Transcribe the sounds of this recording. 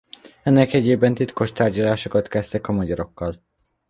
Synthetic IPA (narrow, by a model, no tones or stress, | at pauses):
ɛnːɛkɛɟeːbɛnt̪it̪ko̞ʃt̪aːrɟɒlaːʃokɒt̪kɛst̪ɛkɒmɒɟɒɾo̞kːɒl